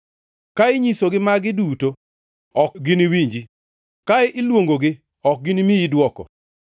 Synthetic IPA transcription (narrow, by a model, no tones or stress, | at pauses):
kaɪɲisoɡɪmaɡɪduto | ɔkɡɪniwiɲd͡ʒi | kaɪʔɪlwoŋɡoɡɪ | ɔk̚ɡɪnimijidwɔkɔ̰